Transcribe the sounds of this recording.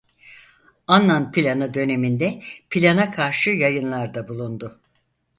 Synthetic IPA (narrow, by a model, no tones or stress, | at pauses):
anlːanpʰilʲanɯd̪ø̞ne̞mind̪ɛpʰilʲanakʰaɾʃɯjajɯnlˠaɾd̪abulˠund̪ʊ